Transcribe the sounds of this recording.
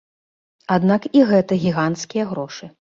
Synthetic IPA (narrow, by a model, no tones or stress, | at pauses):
ad̪nakiɣɛt̪ɐɣʲiɣant̪skʲijɐɣɾɔʂɨ